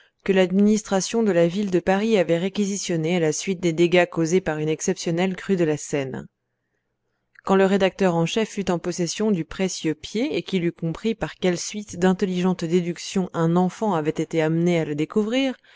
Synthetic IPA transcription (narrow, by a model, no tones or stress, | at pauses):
kəlad̪minist̪χasjɔ̃d̪əlavild̪əpaʁiavɛʁekʲizisjɔnealasɥit̪̚d̪ed̪eɡakozepaʁynɛksɛpsjɔnɛlkχyd̪əlasɛn | kɑ̃ləʁed̪ak̚t̪œʁɑ̃ʃɛfːyt̪ɑ̃pɔsɛsjɔ̃d̪ypχesjøpjeekʲilykɔ̃pχipaʁkʲɛlsɥit̪d̪ɛ̃t̪ɛliʒɑ̃t̪d̪ed̪yksjɔ̃ʔɛ̃nɑ̃fɑ̃avɛt̪et̪eamnealəd̪ekuvʁiːʁ